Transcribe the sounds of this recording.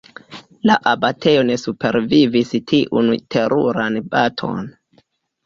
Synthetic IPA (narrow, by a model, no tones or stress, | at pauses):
laʔabatʰe̞jone̞supe̞ɾvivistʰiʔṵntʰe̞ɾuɾanbatʰo̞̰n